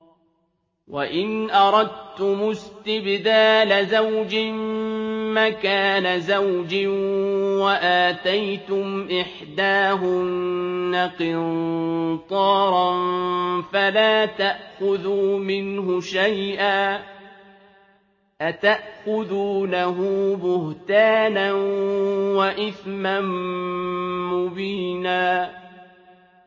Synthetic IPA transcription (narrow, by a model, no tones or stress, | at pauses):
waʔɪnʔɑɾˤɑd̪̚t̪ʊmʊst̪ɪbðaːlazawd͡ʒɪmmakaːnazawd͡ʒɪ | waʔaːt̪ajt̪ʊmʔɪħd̪aːɦʊnːaqɪnt̪ˤɑːɾˤɑnfalaːt̪aʔxʊðuːmɪnɦʊʃajʔaː | ʔat̪aʔxʊðuːnaɦʊːbʊht̪aːnanwaʔɪθman | ʊbiːnaː